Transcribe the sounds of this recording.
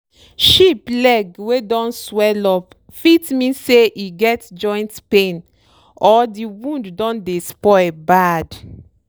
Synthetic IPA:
ʃiplɛɡwedɔ̃nswɛlɔp | fitmĩseʔiɡɛtd͡ʒɔ̃ɪ̃ntpẽn | ɔdiwũnddɔ̃ndespɔɪlbad

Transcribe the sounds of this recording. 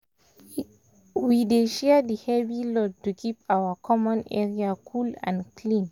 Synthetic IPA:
wideʃɛədəhɛvilɔtukʰipawəkʰɔmɔ̃nɛ̰ɹiakʰulã̰nkʰlĩn

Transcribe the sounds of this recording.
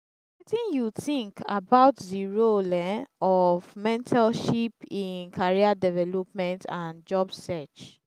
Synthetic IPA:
wɛtĩnjutĩŋka̰baʊtziɹolɛ̃nɔvmɛ̃ntʰalʃipĩnkʰaɹiadɛvɛlɔp̚mɛ̃ntãnd͡ʒɔbsɛt͡ʃ

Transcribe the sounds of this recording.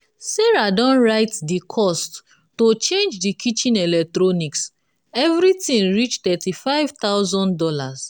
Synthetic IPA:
sɛɹadɔ̃nɹaɪtdikʰɔst | tːot͡ʃẽnd͡ʒdikʰit͡ʃĩnɛlɛk̚tɹoniks | ɛvɾitĩŋɹit͡ʃt̪ɛtifaɪv̥t̪aʊzɔ̃ndɔlas

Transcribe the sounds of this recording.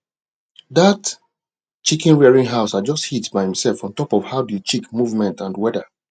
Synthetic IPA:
ðat | t͡ʃikĩnɹɛɹĩŋɦaʊsad͡ʒɔsthitbaɪhĩmsɛlfɔ̃ntɔpɔv̥haʊdt͡ʃikmuvmɛ̃ntãndwɛdə

